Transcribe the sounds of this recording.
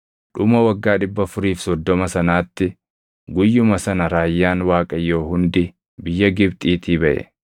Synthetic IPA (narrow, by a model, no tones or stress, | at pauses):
ᶑʊmɐwɐɡːaːᶑɪbːɐfʊɾiːfsɔd̪ːɔmɐsɐnaːt̪ːɪ | ɡʊjːʊmɐsɐnɐɾaːjːaːnwaːkʼɐjːo̞ːhʊnd̪ɪ | bɪjːɐɡɪbt̪ʼiːt̪ʰiːbɐʔɛ̰